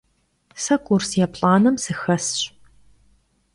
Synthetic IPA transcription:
sɐkʷʼursjaːpɬʼaːnɐmsɨxɐsɕ

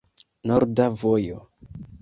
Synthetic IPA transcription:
noɾdavojo̰

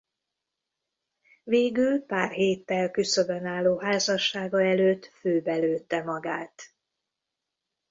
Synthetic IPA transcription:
veːɡylpaːrɦeːt̪ːɛlkysøbɛnaːlːoːɦaːzɒʃːaːɡɒɛløːt̪ːføːbɛløːt̪ːɛmɒɡaːt̪

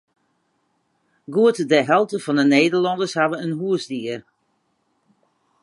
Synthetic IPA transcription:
ɡuətədɛɦɛlˠtəfɔndəneːdəɹlɔndəɹshavəənɦuəsdiər

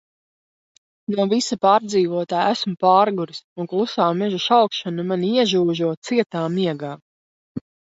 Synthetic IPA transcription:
nuvisapaːɾd̪ziːvuɔt̪aːjæsmupaːɾɡuɾisuŋklˠusaːmɛʒuʃalkʃanamaniiɛʒuːʒuɔt̪siɛt̪aːmiɛɡaː

